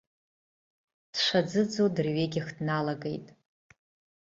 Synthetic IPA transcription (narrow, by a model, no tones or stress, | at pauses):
d̥ʂʷad͡zɨd͡zodɨrɥeɡʲɪxdnalaɡe̞̰jtʼ